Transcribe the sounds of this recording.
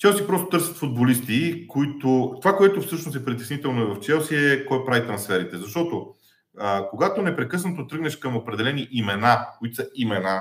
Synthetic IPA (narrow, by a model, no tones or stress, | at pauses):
t͡ʃɛlˠsipɾɔst̪o̥t̪ɤɾsʲə̥t̪fod̪̚bolist̪ikoit̪ot̪ovakoɛt̪ʊfsɤʃnosɛpɾit̪ɛsnit̪ɛlˠnoɛvɐft͡ʃɛlˠsiɛkɔjpɾavit̪ɾɐnsfɛɾit̪ɛzɐʃt̪ɔt̪o | əkoɡat̪onɛpɾɛkɤs̬nɐt̪ot̪ɾɤɡnɛʃkɐmopɾɛd̪ɛlɛniʔimɛnakoit̪o̥sɐimɛna